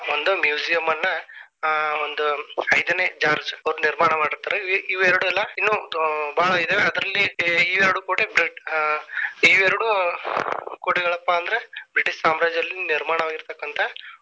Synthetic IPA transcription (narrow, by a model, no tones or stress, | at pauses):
ond̪umjuːd͡ʒijɐmːɐnːɐ | ond̪uɐjd̪ɐneːt͡ʃaːɾd͡ʒɐʋɾuniɾmaːɳɐmaːɽiɾt̪aːɾeʋiʋɛɾɐɽuɛlːɐinːuːbaːɭɐid̪eːʋeɐd̪ɾɐlːiːʋɛɾɐɽuːkoːʈebɾiʈ | iʋɛɾɐɽu | koːʈeɡɐɭɐpːɐːnd̪ɐɾebɾiʈiʂsaːmɾaːd͡ʒɐlːiniɾmaːɳɐʋaːɡiɾt̪ɐkːɐnt̪ʰɐ